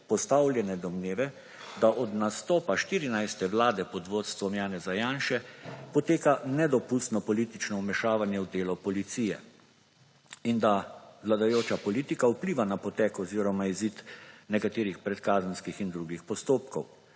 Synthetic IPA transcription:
pɔst̪awlʲjɛnɛd̪ɔmneːʋɛ | d̪aʔɔd̪nast̪ɔːpaʃt̪iːɾinajst̪ɛʋlaːd̪ɛpɔd̪ʋoːt̪st̪ʋɔmjaːnɛzajaːnʃɛpɔt̪eːkanɛd̪ɔpust̪nɔpɔliːt̪it͡ʃnɔumɛʃaːʋanjɛwd̪eːlɔpɔlit̪siːjɛ | ind̪awlad̪ajoːt͡ʃapɔlit̪ikaupliːʋanapɔt̪ɛːkɔziːɾɔmaizit̪nɛkat̪eːɾixpɾɛt̪kaːzənskixind̪ɾuɡixpɔst̪oːpkɔw

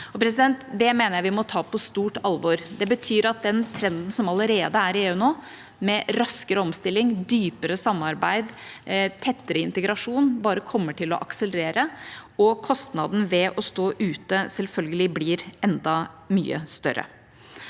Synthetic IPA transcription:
ɔpʰɾɛs̬ɪd̪ɛnt̪d̪ɛmeːnəjæɪʋɪmɔt̪ʰɑːpʰɔst̪uːʈɑlʋɔɾd̪ɛbət̪ʰyːɾɑt̪̚d̪ɛnt̪ʰɾɛnd̪n̩sɔmɑləɾeːd̪əæɾeːʉnoː | mɛɾɑskəɾəɔmst̪ɪlːɪŋd̪yːpəɾəsɑmːɑɾbæɪd̪t̪ʰɛt̪ːəɾəɪnt̪əɡɾɑʂuːnbɑːɾəkʰɔmːəʈʰɪlɔ̰ʔɑksələɾeːɾəɔkʰɔst̪nɑd̪n̩ʋɛʔɔst̪oːʔʉːt̪əsɛlfœlɡəlɪblɪɾɛnd̪ɑmyːə̰st̪œ̰ɾːə̰

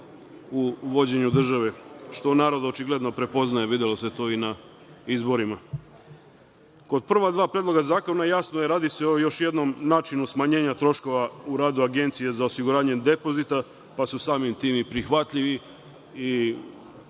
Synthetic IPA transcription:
uʋo̞d͡ʑe̞ɲud̪r̩ʒaʋeʃt̪o̞naːɾo̞d̪o̞t͡ʃiɡle̞d̪no̞pɾe̞po̞znaje̞ʋid̪elo̞se̞t̪o̞ːina | izbo̞ɾima | ko̞d̪̚pr̩ʋad̪ʋaːpɾed̪lˠo̞ɡazaːko̞najasnojeɾaːd̪iseo̞jo̞ʃje̞d̪no̞mnaːt͡ʃinusmaɲe̞ːɲat̪ɾo̞ʃko̞ʋauɾaːd̪uaɡe̞nt̪sijezaosiɡuɾaːɲe̞d̪e̞po̞zit̪a | pasusaːmimt̪iːmipɾixʋat̪ʎiʋi | i

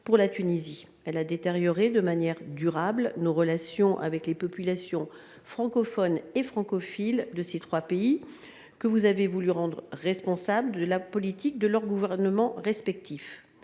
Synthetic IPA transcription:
puʁlat̪ynizi | ɛlad̪et̪eʁjɔʁed̪əmanjɛʁd̪yʁablnoʁəlasjɔ̃ʔa̰vɛklepɔpylasjɔ̃ | fχɑ̃kɔfɔnefχɑ̃kɔfild̪əset̪χwapei | kəvuzavevulyʁɑ̃d̪ʁəʁɛspɔ̃sabld̪əlapɔlit̪ik̚d̪əlœʁɡuvɛʁnəmɑ̃ʁɛspɛk̚t̪ʰif

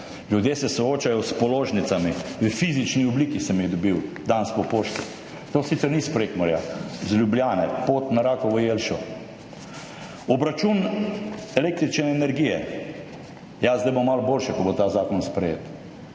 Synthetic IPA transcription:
lʲjud̪jeːsɛsɔoːt͡ʃajɔspɔloːʒnit̪samiʋəfizit͡ʃniɔbliːkisɛmjɛɣd̪ɔbiwd̪anspɔpoːʃt̪i | t̪oːsit̪sɛɾnispɾekmɔɾja̰zlʲjubljaːnɛpoːt̪naɾaːkɔʋɔjelʃɔ | ɔbɾat͡ʃun | ɛlek̚t̪ɾit͡ʃnɛːnɛɾɡijɛ̰ | jazd̪ajbomːalboːlʃɛkɔbot̪aːzaːkɔnspɾɛjḛːt̪

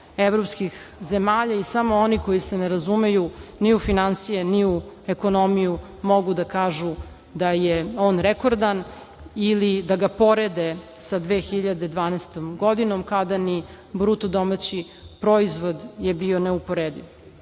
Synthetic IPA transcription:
eʋɾopskixze̞maːʎaisamo̞oniko̞jiseneɾazume̞juniufinansijeniueko̞no̞miju | mo̞ɡud̪akaːʒu | d̪ajeo̞ːnɾekoɾd̪an | ilid̪aɡapo̞ɾed̪esad̪ʋeːxiʎad̪ed̪ʋaːnɛst̪omɡo̞d̪inomkad̪ani | bɾut̪od̪omat͡ɕi | pɾoizʋo̞d̪je̞bio̞neupoɾed̪ḭʋ

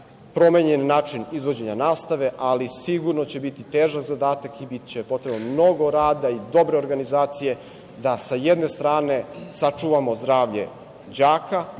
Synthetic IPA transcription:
pɾo̞meɲenːaːt͡ʂinizʋo̞d͡ʑe̞ɲanaːst̪aʋe̞ʔalisiɡuɾnot͡ɕebit̪it̪eːʒakzad̪aːt̪akibit̪t͡ɕepo̞t̪ɾe̞bnmno̞ɡo̞ɾaːd̪aid̪o̞bɾe̞o̞ɾɡanizaːt̪sije̞ | d̪asajed̪ne̞st̪ɾaːne̞sat͡ʂuʋamo̞zd̪ɾaːʋʎe̞̰ | d͡ʑaːka

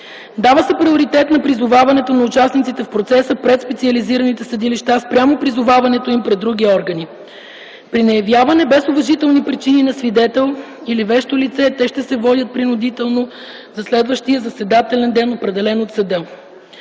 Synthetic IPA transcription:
d̪avəsɛpɾioɾit̪ɛt̪nɐpɾizʊvavɐnɛt̪onɐut͡ʃasnit̪sit̪ɛfpɾot̪sɛsəpɾɛt̪spɛt̪siəliziɾənit̪ɛsəd̪iliʃt̪aspɾʲjamopɾizʊvavɐnɛt̪oimpɾɛd̪ːɾuɡʲiɔɾɡəni | pɾinɐjɐvjavɐnɛbɛsʊvɐʒit̪ɛlˠnipɾit͡ʃininɐsvid̪ɛt̪ɛlˠ | ilivɛʃt̪olit̪sɛt̪ɛʃt̪ɛsɛvɔd̪ʲət̪̚pɾinʊd̪it̪ɛlˠno | zɐslɛd̪vəʃt̪ijəzɐsɛd̪at̪ɛlɛnd̪ɛnopɾɛd̪ɛlɛnot̪sɐd̪ɤ

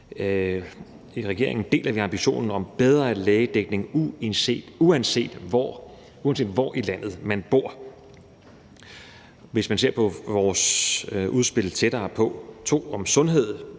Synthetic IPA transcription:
iʁɛɡ̥e̝̰ɐe̝ŋn̩d̥e̝̰ːlɐʋiɑ̈mb̥iɕo̝̰ːnn̩ɒ̽mb̥eð̞ˠʁɐleːəd̥eɡ̥ne̝ŋuense̝̰ːd̥uænse̝̰ːd̥ɒ | uæns̬e̝̰ːd̥ʋɒʔilæn̰ð̩ˠmænb̥o̝ɐ̰ | ʋe̝smænse̝ɐ̰pʰɒ̽ʋɒːsʔuðˠsb̥e̝lt͡sʰed̥ɐːpʰɒ̽t͡sʰo̝̰ːɒ̽msɔ̽nɦe̝ð̞̰ˠ

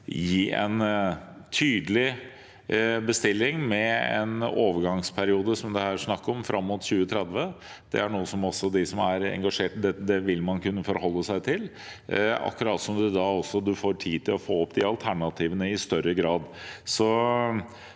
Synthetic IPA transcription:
jiːʔɛ̰nt̪ʰyːd̪əlɪ | bəst̪ɪlːɪŋmɛɛ̰noːʋəɾɡɑŋspʰæɾɪuːd̪əsɔmd̪ɛhæːɾʂnɑkːəɔmfɾʔɑmːut̪ɕʉːət̪ʰɾɛd̪ʋəd̪̥ɛ̰æɳuːəsɔmɔsːɔd̪ɪsɔmæɾɛ̰ŋɡɑʂeːʈd̪ɛd̪ɛʋɪlːmɑnkʰʉnːəfɔɾhɔlːəsæɪt̪ʰɪl | ɑ̰kːɾɑːt̪sɔmd̪ʉd̪ɑɔsːɔd̪ʉfoːʈʰiːt̪ʰɪlɔfoːɔpd̪ɪɑlt̪ʰæɳɑt̪ʰiːʋənəɪst̪œɾːəɡɾɑːd̪sɔ

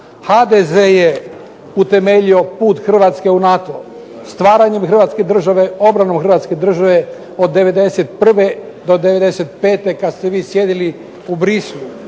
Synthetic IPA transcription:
had̪ezeːje | ut̪e̞me̞ʎio̞puːt̪xr̩ʋaːt̪ske̞unat̪o | st̪ʋaːɾaɲemxr̩ʋaːt̪ske̞d̪r̩ʒaʋe̞o̞bɾano̞mxr̩ʋat̪ske̞d̪r̩ʒaʋe̞ | o̞d̪ːeʋe̞d̪e̞set̪pr̩ʋe̞ | d̪o̞d̪eʋe̞d̪ese̞t̪pe̞ːt̪e̞kad̪st̪eʋiːsjed̪ili | ubɾislˠu

